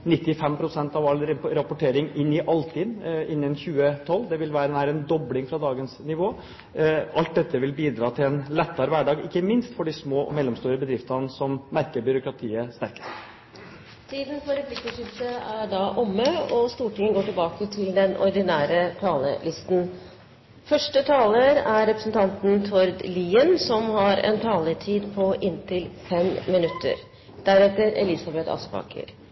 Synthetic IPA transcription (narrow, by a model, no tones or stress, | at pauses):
nɪt̪ːɪfɛmpʰɾʊsɛnt̪ɑʋɑlːɾɾɑpʊʈʰeːɾɪŋɪnːɪʔɑlt̪ʰɪːnɪnːənçʉːət̪ʰɔlːd̪ɛʋɪlʋæːɾənæːɾəɛnd̪ɔblɪŋfɾɑd̪ɑːɡənsnɪʋoː | ʔɑlt̪̚d̪ɛt̪ːəʋɪlbiːd̪ɾɑːt̪ʰɪlɛnlɛt̪ːɑɾəʋæɖɑːɡɪkːəmɪnst̪fɔɖɪsmoːɔ̰mɛlːɔmst̪uːɾəbəd̪ɾɪft̪ɑnsɔmmæɾkəɾbʏɾʊkɾɑt̪ʰiːəst̪æɾkə̥s | t̪ʰiːd̪n̩pʰɔɾɛpʰlɪkːɪt̪ʰɪsəæɖɑʔʊmːəɔst̪uːʈɪŋːənɡoːʈɪlbɑːkət̪ʰɪld̪ɛnʔɔ̰ɾd̪ɪnæːɾət̪ʰɑːlə̰lɪst̪n | fœʂʈət̪ʰɑːləɾæɾɛpɾəsn̩t̪ʰɑnt̪n̩t̪ʰɔɾd̪liːənsɔmhɑɾɛ̰nt̪ʰɑːləʈʰiːd̪pʰɔʔɪnt̪ʰɪlfɛmːɪnʉt̪ʰːə̰ɾ | d̪̥æɾɛt̪ːəɾɛ̰lɪsɑbɛt̪ɑ̰spɑ̰ːkʰə̰ɾ